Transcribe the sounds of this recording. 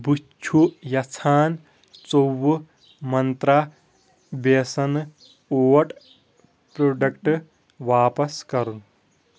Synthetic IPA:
but͡ʃʰujɐt͡sʰaːn | t͡sowu | mɐnt̪ɾa | besɐn | oːɐʈ | pɾoːɖɐkʈ | ʋaːpɐskɐɾun

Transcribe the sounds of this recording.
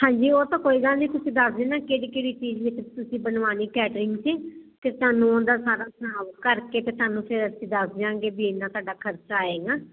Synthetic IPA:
hãːɲd͡ʒiːoːt̪ãːkoːiːɡ̪aːnĩːt̪ʊsĩːd̪əsd̪eːnaːkeːɽiːkeːɽiːt͡ʃiːd͡ʒʋɪt͡ʃt̪ʊsĩːbənʋaːniːkɛːʈɾɪŋɡsiːk̪et̪ʊaːnũːoːd̪aːsaːɾaːsəaːʋkəɾkeːt̪eːt̪aːnũːpʰɪɾəsĩːd̪əsd͡ʒãːɡeːbiːɪnãːt̪oaːɖaːkʰəɾt͡ʃaːeːɡaː

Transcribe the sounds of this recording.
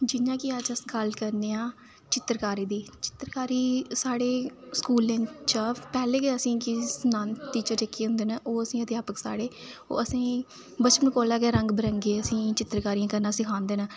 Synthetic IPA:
d͡ʒɪnãːkiəd͡ʒəsɡəlkəɾneːãː | t͡ʃɪt̪ɾkaːɾiːd̪iːt͡ʃɪ̥t̪ɾkaːɾiːsaːɽeːskuːlẽnt͡ʃəpɛːleːkeəsĩːkɪsənãːnt̪iːt͡ʃət͡ʃekːiːɦʊ̃nd̪eːnəʔoːəsĩːəd̪ɪjaːpəksa̰ːɽeːo̰ːəsĩː | bət͡ʃpənkoːlaːkɛːɾə̃ŋɡbəɾəŋɡeːəsĩːt͡ʃɪt̪ɾkaːɾijãːkəɾnaːsɪkʰãːnd̪eːnə

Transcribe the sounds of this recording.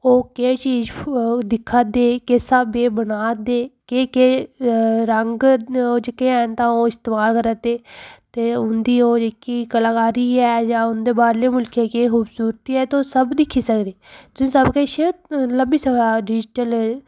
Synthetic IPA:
oːkeːt͡ʃiːd͡ʒd̪ɪkʰaːd̪eːkeːsəbeːbənaːd̪eːkeːkeː | ɾəŋɡoːd͡ʒekeːɛːnt̪ãːoːɪst̪eːmaːlkəɾaːt̪eːt̪eːʊnd̪iːoːd͡ʒekiːkəlaːkaːɾiːɛːd͡ʒãːʊnd̪eːbaːɾleːmʊlkʰeːkeːɦuːbsuːɾt̪iːɛːt̪eoːsəbd̪ɪkʰːiːsəkd̪eːt̪ʊsĩːsəbkeʃeləbiːsəbaːɖɪd͡ʒʈəl

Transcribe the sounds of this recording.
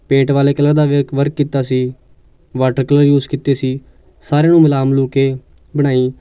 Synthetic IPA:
pẽːɳʈʋaːleːkələɾd̪aːʋekʋəɾkːiːt̪aːsiː | ʋaːʈəɾkələɾjuːzkiːt̪eːsiː | saːɾeãːnũːmɪlaːmluːkeː | bəɽ̃aːiː

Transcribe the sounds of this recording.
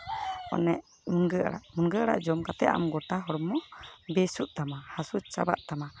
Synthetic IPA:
ɔ̰nɛʔ | munɡəa̰ɽa̰ʔmunɡəʔaɽa̰ʔd͡ʒɔmkat̪ɛʔa̰mɡɔʈaɦɔɽɔmːɔbɛsuʔ̚ˀt̪amahasut͡ʃa̰ba̰ʔt̪ama

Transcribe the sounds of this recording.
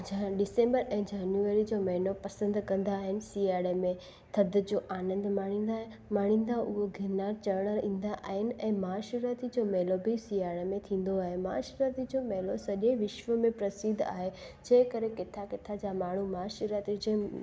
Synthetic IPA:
ɖɪsẽːmbəɾɛ̃ːd͡ʑaːnjueɾid͡ʑoːmɐɦɪnopɐsə̃nd̪kɐ̃nd̪aːɦɪnɪ̆siaːɽemẽ | t̪ʰɐd̪ʱd͡ʑoːʔaːnə̃nd̪maɽ̤̃ĩːnd̪a | maːɽ̤̃ĩːn̆d̪aʔʊɦoɡʱɪɾnaːɾt͡ɕɐɾɽ̃əlĩːn̆d̪aʔaːɦɪnɪ̆ɛ̃ːmaːʃuɾaːt̪id͡ʑoːmɛɦlobʱisiːaːɽemẽt̪ʰĩːn̆d̪oaːɦemaːʃɾaːt̪id͡ʑoːmɛɦlosɐʄeʋɪʃʋəmẽpɾɐsɪd̪ʱa̰ːɦe | d͡ʑẽːkəɾekɪt̪ʰakɪt̪ʰad͡ʑamaːɳ̤umaːʃuɾaːt̪id͡ʑeː

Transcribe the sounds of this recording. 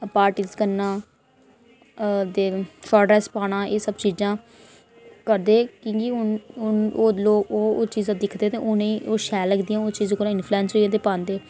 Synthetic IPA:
paːɾʈiːzkənãː | d̪eːfɔːɖɾɛːspaːɽ̃ãːʔeːsəbt͡ʃiːzãː | kəɾd̪eːkĩːkiʊnʊnoːloːkoːoːt͡ʃiːzãːd̪ɪkʰd̪eːt̪ḛ̃ʊnẽːʔoːʃɛːləɡd̪ijãoːt͡ʃiːzkoɾãːɪnpʰluɛ̃ːnsoiɛ̃ːt̪̬eːpãːnd̪eː

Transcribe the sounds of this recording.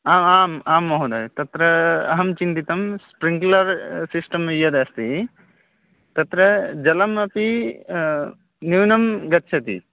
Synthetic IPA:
aːmaːmaːmːɐɦud̪ɐjt̪ɐt̪ɾɐɐɦɐmt͡ʃint̪it̪ɐmspɾiŋɡlɐɾsisʈɐmɐjɐd̪ɐst̪i | t̪ɐt̪ɾɐd͡ʒɐlɐmɐpi | niʋnɐmɡɐt̪ːʃʰɐt̪ḭ

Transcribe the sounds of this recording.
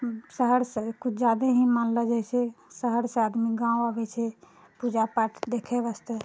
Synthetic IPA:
səɦəɾsəkut͡ʃʰd͡ʒad̪əɦĩmanləd͡ʒajsɛsəɦəɾsead̪miɡãuəbɛt͡ʃʰɛ | pud͡ʒapaʈʰd̪ekʰɛbəst̪ə

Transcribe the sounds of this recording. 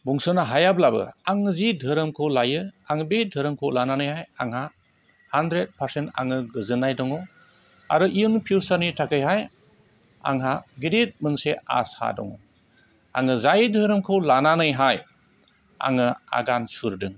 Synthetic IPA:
buŋsɯnaɦajablabɯ̰aŋzidʱɯɾɯmkʰɯlajɯaŋbedʱɯɾɯmkʰolananɯjɦajaŋha | handɾet̚pʰaɾsenta̰ŋɯɡɯzɯnajdɔŋɔ | a̰ɾɯʔiɯŋpʰiwsaɾnitʰakɯjɦaj | a̰ŋɦaɡiɾet̚mɯŋsea̰sha̰dɔ̰ŋɔ | a̰ŋɯzajɯdʱɯɾɯmkʰɯlananɯjɦaj | a̰ŋɯa̰ɡansuɾdɯŋ

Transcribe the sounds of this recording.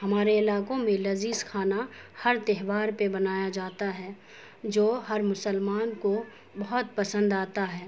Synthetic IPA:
ɦɐmaːɾeɪlaːkõmẽlɐziːskʰaːnahɐɾt̪eɦʋaːɾpebɐnaːjad͡ʒaːt̪aɦɛː | d͡ʒoːɦɐɾmʊsəlmaːnko | bɐɦʊt̪̚pɐsə̃nd̪aːt̪aɦɛː

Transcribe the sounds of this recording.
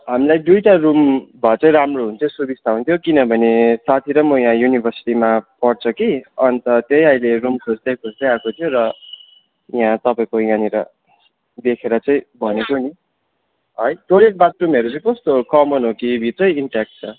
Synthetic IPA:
ɦamilajd̪ujʈarumbʱʌt͡sʌĩɾamroɦunt̪ʰʌ̃subist̪ʰaũnt̪ʰjokinʌbʱʌnesat̪ʰiɾʌmʌjãjunibʱʌrsi̥ʈimapʌrt͡sʰʌkiʌnt̪ʌt̪jʌjʌjlerumkʰusd̪ʌjkʰust̪ʌjakot̪ʰijoɾʌ | jãt̪ʌpaĩkojãniɾʌ | d̪ekʰeɾʌt͡sʌĩbʱʌnekoni | ɦʌjʈoɾek̚bat̪rumeɾut͡sʌĩkʌst̪okʌmʌnɦokibʱit̪rʌjiɳʈak̚ʈ̚t͡sʰʌ

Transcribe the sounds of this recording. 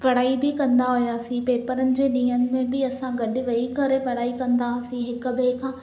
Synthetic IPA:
pɐɽaːibʱikɐ̃nd̪aɦojaːsipeːpəɾənɪ̆d͡ʑeːniːəmːẽbʱiɐsãɡɐɗʋɐikəɾepɐɽaːikɐ̃nd̪asiɦɪkbeːkʰãː

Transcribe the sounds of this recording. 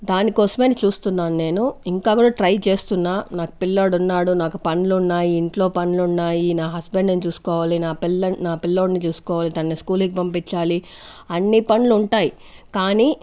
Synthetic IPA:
d̪aːnikɔːsɐmeːnɐt͡ʃuːst̪unːaːnune̞ːnuiŋkaːkuːɽaːʈɾɐjt͡ʃe̞ːst̪unːaːnaːku̥pilːoːɽunːaːɽunaːkupɐnlunːaːjiːɳʈlo̞ːpɐnulunːaːjinaːɦɐsbeɳɖnt͡ʃuːsu̥kɔːʋaːlinaːpilːɐnnaːpilːo̞ːɽnit͡ʃuːsu̥kɔːʋaːlid̪aːnːiskuːlik̬ipɐmpit͡ʃːaːliɐnːipɐnluuɳʈaːjikaːniː

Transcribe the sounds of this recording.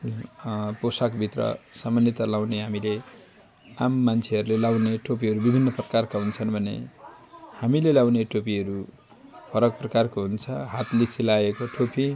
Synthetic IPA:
posakbʱit̪rʌ̰samanjʌt̪alaw̃neɦamile | amːant͡sʰeɦʌɾulelaw̃neʈʰopiɦʌɾubibʱinːʌprʌkarkaɦunt͡sʰʌnbʱʌnḛ | hamilelawneʈʰopiʌɾu | pʰʌɾʌk̚prʌkarkoɦunt͡sʰʌɦat̪lesʰilaekoʈʰopi

